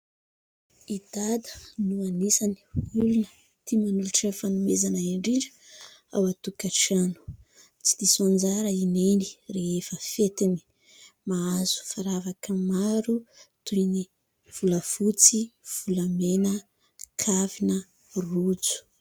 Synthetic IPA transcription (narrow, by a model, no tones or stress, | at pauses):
id̪ad̪ə̥nuanisani̥ulunə̥ | t̪ʰimanuluʈ͡ʂefanumezanaiɳɖ͡ʐiɖ͡ʐə̥ | a̰wat̪ukaʈ͡ʂanu̥ | t͡si̥d̪isond͡zaɾəineni̥reefəfet̪ini̥ | maazu̥faɾavakəmaɾut̪ujni | v̥uləfut͡siv̥ulamenə | kʰavinə | rud͡zu̥